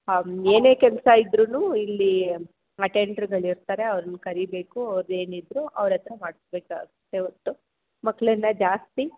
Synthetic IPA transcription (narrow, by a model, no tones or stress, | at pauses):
eːne̞ːkɛlɐsɐid̪ɾunuːilːi | ɐʈeɳɖɐɾɡɐɭiɾt̪aːɾe̞ɐʋɾɐnɐkɐɾibe̞ːkuɐʋɾe̞ːnid̪ɾuɐ̰ʋɾɛt̪ɐɾɐmaːɽisbeːka̰ːɡt̪ːeot̪ːu | mɐkːɭɐnːɐd͡ʒaːst̪i